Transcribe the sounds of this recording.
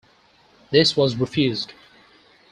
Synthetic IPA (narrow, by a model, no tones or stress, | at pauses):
ðɪswɔzɹɪfjʉzd